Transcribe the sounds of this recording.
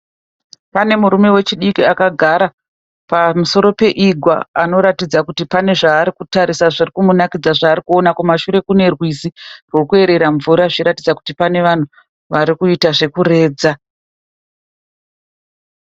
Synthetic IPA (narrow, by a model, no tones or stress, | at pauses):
pane̞muɾume̞we̞t͡ʃiɗikiakaɡʱaɾa | pamuso̞ɾo̞pe̞ʔiɡʱwa̰ano̞ɾatid͡zakutipane̞ʐaːɾikutaɾisaʐirikumunakid͡zaʐaːɾikuo̞nakumaʃuɾe̞kune̞rwizirwo̞kue̞ɾe̞ɾaɱvuɾaʐiiɾatid͡zaku̥tipane̞ʋan̤u | ʋaɾikuitaʐe̞kuɾe̞ːd͡za